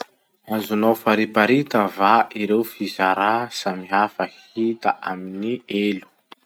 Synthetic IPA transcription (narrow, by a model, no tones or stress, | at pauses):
anzunawfaɾipaɾit̪əvaʔiɾewfizaɾasamiafəh | it̪a̰ʔaminielu̥